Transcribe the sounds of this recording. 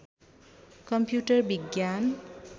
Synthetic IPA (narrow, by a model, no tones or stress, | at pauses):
kʌmpjuʈʌrbiɡjan